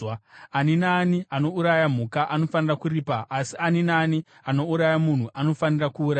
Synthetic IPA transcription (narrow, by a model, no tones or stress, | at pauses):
aninaːniʔano̞uɾajam̤ukaʔano̞fanirakuriːpaʔasianinaːni | ano̞uɾajamun̤uʔano̞fanirakuːɾa